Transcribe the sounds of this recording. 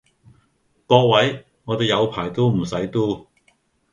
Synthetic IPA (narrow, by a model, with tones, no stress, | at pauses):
kɔː˧wɐ˨˥j | ŋɔː˨˧t̪e˨jɐ˨˧wpʰaː˨˩jt̪o˥wm̩˨˩sɐ˨˥jt̪uː˥